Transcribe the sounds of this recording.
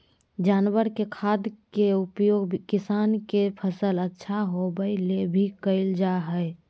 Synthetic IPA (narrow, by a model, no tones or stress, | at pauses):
d͡ʒaːnwəɾkekʰaːd̪keupjoːɡkɪsaːnkepʰəsələtːʃʰaɦobəɪlebʱikəɪld͡ʒaɦəɪ